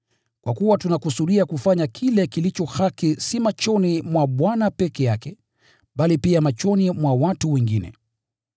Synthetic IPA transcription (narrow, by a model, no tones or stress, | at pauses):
kwʔakuwatunakusuɗiakufaɲakʰilɛkilit͡ʃɔhakisimat͡ʃɔnimwaɓwanapɛkɛjakɛ | ɓalipiamat͡ʃɔnimwawatuwɛŋɡinɛ̰